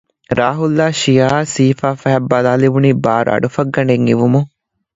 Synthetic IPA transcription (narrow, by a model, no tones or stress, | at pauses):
ɾaːɦulːaːʃijaːsiːfaːfæɦɐbːalaːliʋuniːbaːɾa̰ːɖufɐɡːɐɳɖeŋiʋumu